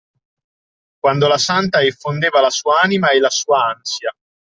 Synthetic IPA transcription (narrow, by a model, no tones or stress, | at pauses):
kwand̪olasant̪aifːond̪eːvalasuːaaːnimaɛlːasuːaansja